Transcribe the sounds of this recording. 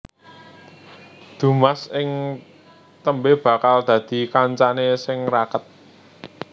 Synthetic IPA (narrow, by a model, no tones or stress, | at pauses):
d̪̥ṳmasɪŋ | t̪əmbeb̥ä̤kald̪̥ä̤d̪̥i̤kaɲt͡ʃanesɪŋrakət̪̚